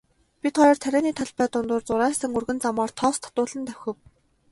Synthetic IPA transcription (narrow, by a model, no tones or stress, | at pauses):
pʲit̪χɔjɞːrt̪ʰæɾʲæːniːt̪ʰaɮpæːt̪ʊnt̪ʊːrt͡sʊɾæːsə̆ŋɵrɣɘ̆nt͡samɔːrt̪ʰɔːst̪ʰɔ̥t̪ʊːɮə̆nt̪ʰæw̥ʲxʲɘ̆w